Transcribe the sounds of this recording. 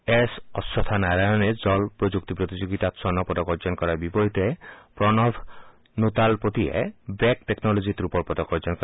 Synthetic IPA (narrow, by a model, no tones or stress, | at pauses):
esɔsːɔt̪ʰanaɾajɔned͡ʑɔlpɾod͡ʒuk̚t̪ipɾot̪id͡ʑoɡit̪at̪sɔnɔpɔd̪ɔkɔɾd͡ʒɔnkɔɾaɾbibɔɦit̪epɾɔnɔbʱ | nut̪alpot̪iḛbek̚teknɔlod͡ʑit̪ɾupɔɾpɔd̪ɔkɔɾd͡ʒɔnkɔ